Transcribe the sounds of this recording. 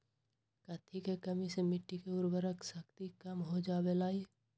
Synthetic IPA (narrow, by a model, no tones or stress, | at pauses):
kɐt̪ʰːikekɐmisemɪʈːikeʊɾbəɾəksəkt̪ikɐmɦod͡ʒaːbelaːi